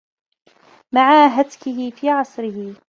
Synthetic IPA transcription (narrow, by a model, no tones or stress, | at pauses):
maʕaːɦad̪kɪɦɪfiːʕɑsˤɾɪhɪ